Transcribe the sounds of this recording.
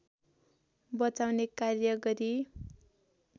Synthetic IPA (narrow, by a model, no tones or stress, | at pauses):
bʌt͡sawnekarjʌɡʌɾi